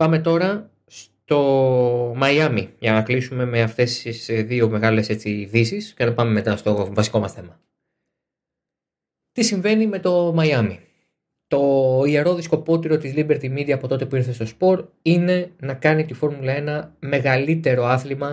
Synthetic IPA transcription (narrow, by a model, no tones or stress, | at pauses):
pɐme̞t̪o̞ɾɐ | st̪o̞ | mɐjɐmiʝɐnɐklisume̞me̞ɐft̪e̞sisðio̞me̞ɣɐle̞se̞t͡siðisiscenɐpɐme̞me̞t̪ɐst̪o̞vɐsiko̞mɐsθe̞mɐ | t̪isiɱve̞nime̞t̪o̞mɐjɐmi | t̪o̞ie̞ɾo̞ðisko̞po̞t̪iɾo̞t̪izlibe̞ɾt̪imid̪iɐːpo̞t̪o̞t̪e̞puiɾθe̞st̪o̞spo̞ɾine̞nɐkɐnit̪ifo̞ɾmulɐe̞nɐme̞ɣɐlit̪e̞ɾo̞ɐθlimɐ